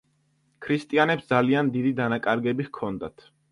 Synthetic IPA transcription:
kʰɾist̪ʼianɛpsd̪zaliand̪id̪id̪anakʼaɾɡɛbiʁkʰɔnd̪at̪ʰ

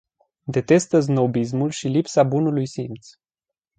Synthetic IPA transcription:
d̪e̞t̪e̞st̪əz̬no̞bis̬mulʃilipsabunulujsimt̪s

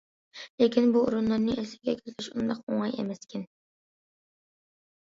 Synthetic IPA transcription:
lekʲʰinbuṵɾunlˠɨɾnːɨʔelsɪ̥ɡʲɛkʲʰyɾt̪ʰʲɪʃund̪ɑqoŋɑjḛmɛskʲɪn

